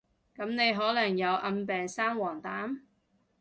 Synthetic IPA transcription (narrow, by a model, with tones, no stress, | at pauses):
kɐ˨˥mne˨˧jɦɔː˨˥lɐ˨˩ŋjɐ˨˧wʔɐ˧mpɛː˨ŋsaː˥ŋwɔː˨˩ŋt̪aː˨˥m